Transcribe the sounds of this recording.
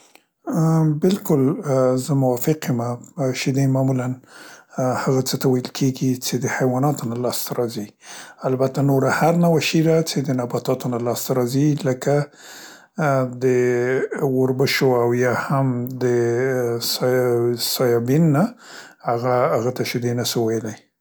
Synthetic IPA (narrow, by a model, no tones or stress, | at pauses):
bɪlkʊlzəmʊwɑfɪqemaʃid̪ajmɑmulan | haɣat͡sət̪awajəlkʰeɡit͡sed̪əhajwɑnɑt̪onalɑst̪aɾɑzialbat̪anoɾahaɾnawaʃid̪at͡sed̪ənabɑt̪ɑt̪onalɑst̪aɾɑziləka | d̪ə | woɾbəʃoawjɑhamd̪ə | s | sɑjɑbinːa | haɣaːɣat̪aʃɪd̪enasəwajlaj